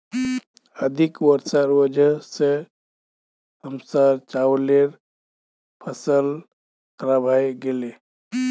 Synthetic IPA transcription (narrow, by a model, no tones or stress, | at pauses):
əd̪ʱikwəɾsaɾwəd͡ʒʱəse | əmsaɾt͡ʃawleɾ | pʰəsəl | kɾabʱajɡele